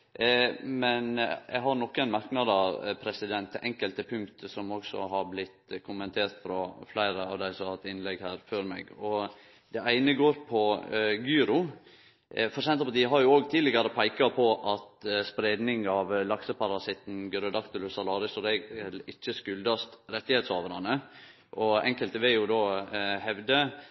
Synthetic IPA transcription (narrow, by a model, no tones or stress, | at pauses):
mɛnjɛ̰ɡɦɑɾnɔkːæɪnmɑɾknɑd̪ɑpʰɾɛsɪd̪ɛnt̪ʰːɛʔɛŋkəlt̪əpʰʉŋkt̪əsɔmɔɡsɔ̰ɦɑɾblɪt̪ːkʰʊmɛnt̪ʰeːɾt̪fɾɑflæɪɾəɑ̰ʋd̪æɪsɔhɑt̪ːɪnlɛɡhæːɾføːɾmɛ̰ɡɔ | d̪ɛæɪnəɡoːɾpʰɔɡʉːɾʊ | fɔɾʂɛnt̪əpɔd̪ɪɦɑɾjʊoːɡt̪ʰiːd̪lɪɡɑɾəpʰæɪkɑpʰɔʔɑt̪spɾeːd̪nɪŋɑʋlɑksəpʰɑɾɑsɪt̪n̩ɡɾəd̪ɑkt̪ʊlʉsɑlɑːɾɪsɔd̪ɛɡɛlɪt͡ʃːəskʉld̪ɑst̪ɾɛt̪ːɪheːt̪soːʋəɾɑnə | ʔɔɛŋkəlt̪əʋɛjʊd̪oːhɛʋd̪ə